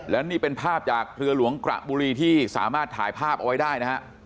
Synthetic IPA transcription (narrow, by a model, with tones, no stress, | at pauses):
lɛ˦˥niː˥˩pe˧npʰaː˥˩p̚t͡ɕaː˨˩k̚ɾɯ˧ɐlu˩˦əŋkɾa̰˨˩ʔbuː˧ɾiː˧t̪ʰiː˥˩sa̰ː˩˦maː˥˩t̪ʰːa̰ː˩˦jpʰaː˥˩p̚ʔa˧wa˦˥jdaː˥˩jna˦˥hʰa˦˥ʔ